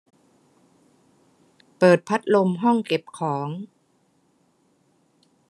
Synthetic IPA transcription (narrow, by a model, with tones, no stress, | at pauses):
pɤː˨˩t̪̚pʰa˦˥t̪̚lo˧mɦɔ˥˩ŋke˨˩p̚kʰɔː˩˦ŋ